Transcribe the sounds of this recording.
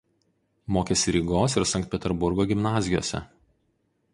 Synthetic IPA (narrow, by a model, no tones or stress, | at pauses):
moːkʲesʲɪɾʲiːɡoːsɪɾsɐ̃ŋkt̪̚ʲpʲɛt̪ʲɛɾbʊɾɡoːɡʲɪmnɑːzʲɪjo̰ːsʲɛ̰